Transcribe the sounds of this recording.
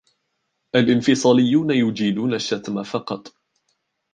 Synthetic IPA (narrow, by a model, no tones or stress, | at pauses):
ʔalʔɪnfɪsˤɑːlɪjːuːnajʊd͡ʒiːd̪uːnaʃːat̪mafɑqɑt̪ˤ